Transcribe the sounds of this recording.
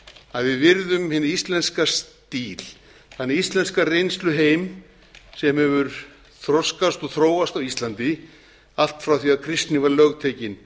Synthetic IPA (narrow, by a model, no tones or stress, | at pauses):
aðvɪðvɪɾðʏmhɪnɪɾist̪lɛnskast̪iːl̥ | θanːɪɾist̪lɛnskarejnst̪lʏɦeːjm | sɛmhɛvʏɾ̥ | θɾɔskast̪ɔɣθɾoːwast̪awist̪lant̪ɪ | al̥t̪fɾawθiaðkʰɾɪst̪nɪvaɾlœɣt̪ʰɛcɪn